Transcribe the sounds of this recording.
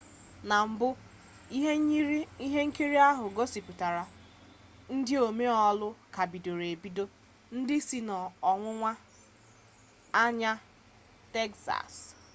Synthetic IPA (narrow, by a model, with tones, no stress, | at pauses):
na˨m̩˨bʊ˦ | i˦ɦe˦ŋ̩˦ki˦ɾi˦a˦ɦʊ˨ɡo˦si˨pu˨ta˨ɾa˨ | n̩˦dɪ˦o˨me˦ɔ˦lʊ˦ka˨bi˨do˨ɾe˨bi˦do˦ | n̩˦dɪ˦si˨nɔ˨ɔ˨ŋʷʊ˦ŋʷa˦ | a˦ɲa˦ | te˦ksa̰˨s